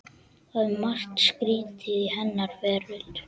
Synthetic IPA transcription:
aðmar̥t̪skɾiːt̪ʰɪhɛnːaɾvɛːɾʏl

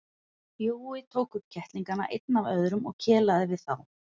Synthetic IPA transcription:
pjoːwɪt̪ʰoːwkʏp̚cʰɛht̪liŋkana̰ʔḛjt̪̚navœðɾʏmɔ̰ɣcʰɛːlaðɪvɪðθaw

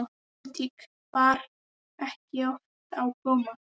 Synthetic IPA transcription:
t̪ʰik | paɾ | ɛhcɪɔf | t̪awkoːma

